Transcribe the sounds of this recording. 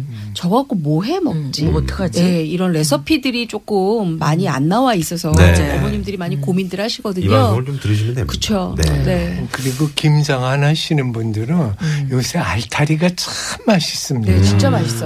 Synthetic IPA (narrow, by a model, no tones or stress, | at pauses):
t͡ɕʌɡak͈omoɦe̞mʌk̚t͡ɕ͈itkad͡ʑjeiɾʌnɾe̞sʰʌpʰidɯɾit͡ɕ͈ok͈ɯmːaɲia̰nːawais͈ʌsʰʌieʌmoɲimdɯɾimaɲikomindɯɾɭhaɕʰiɡʌdɯɲot͡ɕomtɯɾɯɕʰimnekɯt͡ɕʰonene̞kɯɾiɡokimd͡ʑaŋanɦaɕʰinɯnbundɯɾɯnjosʰeaɭtʰaɾiɡat͡ɕaɯmːaɕʰi̥s͈ɯmɲiet͡ɕint͡ɕ͈amaɕʰis͈